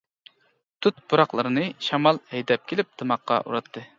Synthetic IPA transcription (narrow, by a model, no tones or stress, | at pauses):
t̪ʰut̪̚buɾɑqlˠəɾɨnɨʃɑmɑlˠhɛjd̪ɛp̚kʲʰelɪp̚d̪̥ɨmɑqːɑ̰ʔṵɾɑt̪ʰːɨ